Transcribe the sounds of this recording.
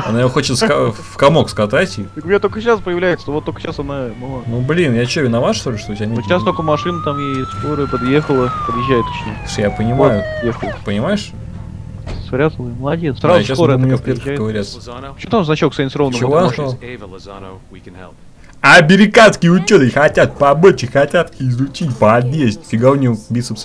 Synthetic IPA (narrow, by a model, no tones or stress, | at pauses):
ɐ̰naɪoxo̞t͡ɕɪt̪skɐfkɐmo̞kskɐt̪atʲɪt̪əkʊmʲɪnʲat̪okəɕaspəjɪvlʲæjɪt̪sənoot̪ːokə̥ɕasɐnaməlˠnublʲinjat͡ɕovʲɪnɐvat̪ʂt̪olʲɪʂt̪oʊtʲnʲeʃast̪okəmɐʂɨnət̪amjejskoɾɨjpɐd̪jexəlˠəpəd̪jɪʒːæɪt̪ːɐt͡ɕnʲesuʂjapənʲɪmajʊjexəlˠəpənʲɪmajɪʂ | svɾʲat̪əlˠəməlˠɐdʲet̪ssajesʊmmɪofpɾʲet̪kə̥ɡəvɐɾʲat̪səpmt̪amznɐt͡ɕalˠksanʲt̪sɾovnəvos | ɐbʲɪɾʲɪkat̪skʲɪjʊt͡ɕːot̪ɨxɐtʲat̪̚pɐbot͡ɕɪxɐtʲat̪ɪzʊt͡ɕitʲpɐd̪ʲesʲtʲfʲɪɡaʊnʲiobʲit̪səps